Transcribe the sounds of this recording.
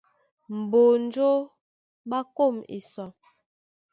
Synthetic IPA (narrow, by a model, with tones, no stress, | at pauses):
m̩˨bo˨n˦d͡ʒo˦ | ɓa˦ko˦˨mḭ˨sɔ˨